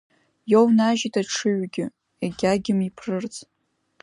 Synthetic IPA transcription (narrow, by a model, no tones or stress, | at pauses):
jownaʒitʰʼaʈ͡ʂʰɨɥɡʲɪ | eɡʲaɡʲɪmipʰrɨrt͡sʼ